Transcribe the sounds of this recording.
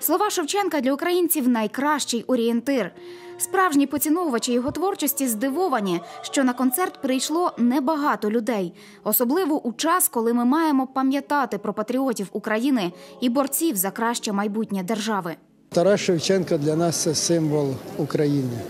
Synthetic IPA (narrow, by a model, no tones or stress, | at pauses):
slˠɔʋɑʃɔwt͡ʃɛnkɐd̪lʲɐukɾɐjinʲt͡sʲiwnɐjkɾɑʃt͡ʃɪjɔɾʲient̪ɪr | spɾɑwʒnʲipɔt͡sʲinɔʋɐt͡ʃɪjɔɦɔt̪ʋɔrt͡ʃɔsʲtʲizd̪ɪʋɔʋɐnʲiʃt͡ʃɔnɐkɔnt̪sɛrt̪pɾɪjʃlˠɔnɛbɐɦɑt̪ɔlʲʊd̪ɛj | ɔsɔblˠɪʋɔʔut͡ʃɑskɔlˠɪmɪmɑjemɔpɐmʲjɐt̪ɑt̪ɪpɾɔpɐt̪ɾʲiɔtʲiwukɾɐjinɪibɔrt͡sʲiwzɐkɾɑʃt͡ʃɛmɐjbutʲnʲɐd̪erʒɑʋɪ | t̪ɐɾɑʃɔwt͡ʃɛnkɐd̪lʲɐnɑst̪sɛsɪmʋɔlˠʊkɾɐjinɪ